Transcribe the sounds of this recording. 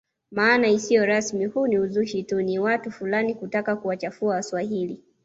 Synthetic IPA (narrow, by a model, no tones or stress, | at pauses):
maːnaisijɔɾasmihuniuzuʃituniwatufulanikutakakuwat͡ʃafuawaswahili